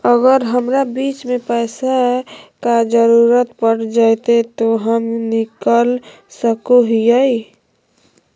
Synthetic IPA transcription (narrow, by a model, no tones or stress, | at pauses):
əɡəɾɦəmɾabiːt͡ʃmẽpəːsakad͡ʒəɾuɾət̪pəɽd͡ʒat̪et̪oɦəmnɪkəl | səkoɦijəi